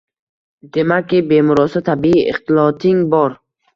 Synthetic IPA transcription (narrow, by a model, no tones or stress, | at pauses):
d̪e̞makʲʰːibe̞mʊɾɒsɒt̪ʰabiiʔɪ̰χt̪ɪlˠɒt̪ʰɪŋbɒɾ